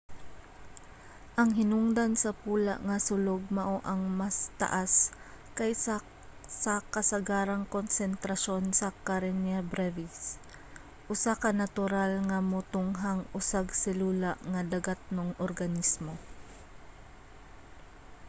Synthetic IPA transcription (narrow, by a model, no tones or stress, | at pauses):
ʔɐŋɦɪnʊŋd̪ansɐpuːla̰ʔŋɐsʊloɡ̚mɐʔoʔɐŋmast̪ɐ̰ʔas | kɐj | sakɐsɐɡaːɾaŋkonsɛnt̪ɾɐʃo̞nsɐkaɾɛnjabɾɛvis | ʔʊsakɐnɐt̪ʊɾalŋɐmʊt̪ʊŋɦaŋʔʊsaɡsɪluːlaʔŋɐd̪ɐɡat̪̚noŋʔoɾɡɐnismo̞